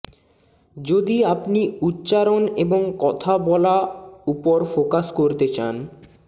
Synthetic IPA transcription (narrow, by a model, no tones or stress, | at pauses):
d͡ʑod̪iapniutːɕaɾoneboŋkɔt̪ʰabɔlaupoɾfokaʃkoɾt̪et͡ɕan